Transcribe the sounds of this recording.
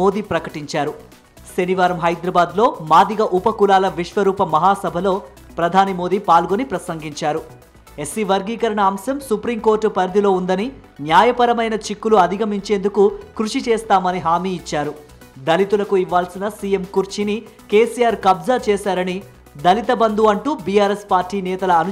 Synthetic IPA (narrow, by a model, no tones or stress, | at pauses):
oːd̪iːpɾɐkɐʈiɲt͡ʃaːɾu | ʃe̞niʋaːɾɐmɦɐjd̪ɾɐbaːd̪lo̞ːmaːd̪iɡɐʔupɐkulaːlɐʋiʂʋɐɾuːpɐmɐɦaːsɐbʱɐlo̞ː | pɾɐd̪ʱaːnimoːd̪iːpaːlɡonipɾɐsɐŋɡiɲt͡ʃaːɾu | e̞sːiʋɐɾɡiːkɐɾɐɳɐːmsɐmsupɾiŋko̞ːɾʈːupɐɾd̪ʱilo̞ːund̪ɐni | njaːjɐpɐɾɐmɐjnɐt͡ʃikːuluɐd̪ʱiɡɐmiɲt͡ʃe̞ːnd̪ukukɾuʂit͡ʃɛːst̪aːmɐniɦaːmiːt͡ʃːaːɾu | d̪ɐlit̪ulɐkuiʋːaːlsinɐsiːje̞mkuɾt͡ʃini | keːsijaːɾkɐbzɐt͡ʃɛːsaːɾɐni | d̪ɐlit̪ɐbɐnd̪uɐɳʈuːbijaːɾe̞spaːɾʈiːnɛːt̪ɐlɐːnu